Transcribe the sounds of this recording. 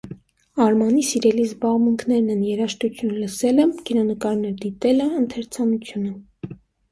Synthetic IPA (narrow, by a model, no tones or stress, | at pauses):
ɑɾmɑnisiɾɛlizbɑʁmuŋkʰnɛɾnɛnjɛɾɑʃt̪ut͡sʰjunləsɛlɛmɡiɾɑnəkɑɾnɛɾd̪it̪ɛləənt̪ʰɛɾt͡sʰɑnut͡sʰjunə